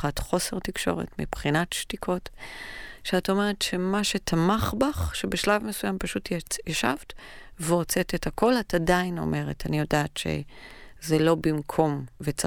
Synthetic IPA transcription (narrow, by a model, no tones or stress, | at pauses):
atχo̞se̞ʁtikʃo̞̰ʁḛtmibχinatʃtikʰo̞t | ʃeato̞meʁetʃe̞maʃe̞tʰamaχbaχʃebeʃlavmesujampaʃutjaʃa̰vt | veʁo̞t͡se̞tethako̞latadaino̞̰me̞ʁetanijo̞daːtʃe̞̰ | zelo̞bimkʰo̞mvet͡sa